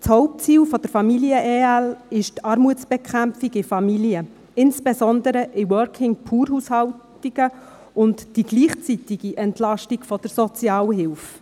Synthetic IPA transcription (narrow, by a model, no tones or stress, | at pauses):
t͡shɔʊp̚t͡siːwfɔd̥əɾfɑmiliəʔeːælɪʃtɑːɾmuət͡ssb̥ɛkʰχæmfiɡɪfɑmiliə | ɪnsb̥ezɔndəɾəʔiwœɾkʰɪŋpʰuːɾhushɑwtiɡə | ʊntd̥iɡ̥liːχt͡sitiɡ̥iʔɛntlɑʃtikfɔd̥əɾsɔt͡sjɑːwəɦɪlf